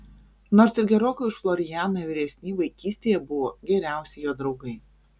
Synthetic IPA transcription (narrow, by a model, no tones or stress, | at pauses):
noːɾsɪɾɡʲɛɾoːkʲʊɪʃflˠɔɾʲɪjæːnɐʋʲɪɾʲɛsʲnʲiʋɐɪkʲiːsʲt̪ʲeːjɛbʊʋoːɡʲɛɾʲæˑʊsʲɛjoːd̪ɾɒʊɡɐɪ